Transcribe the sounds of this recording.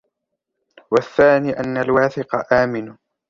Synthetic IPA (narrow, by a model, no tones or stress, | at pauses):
waθːaːniːʔanːalwaːθɪqɑʔaːmɪn